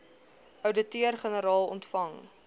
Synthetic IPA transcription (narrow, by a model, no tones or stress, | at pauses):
ʔəwdətyərχənəɾɑːlˠɔ̰ntfɐŋ